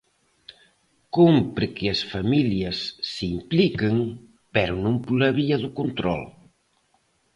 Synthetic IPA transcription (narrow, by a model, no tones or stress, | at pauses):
kumpɾekeəsfamiliəsːimplikəŋ | pɛɾunumpulɐβiɐðukunt̪ɾɔ̰l